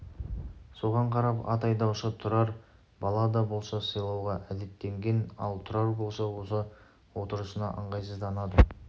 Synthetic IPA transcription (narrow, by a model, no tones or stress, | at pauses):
so̞ʁɑɴqʰɑɾɑpɑ̰t̪ɑjd̪ɑwʃət̪ʰʊɾɑɾ | bɑlˠɑd̪ɑbo̞lˠsɑsəjlˠɑwʁɑʔæd̪e̞t̪ːe̞ŋɡʲe̞nɑ̰lˠt̪ʰʊɾɑɾbo̞lˠsɑwo̞lˠsɑ | wo̞t̪əɾəsənɑ̰ʔəɴʁɑjsəzd̪ɑnɑd̪ə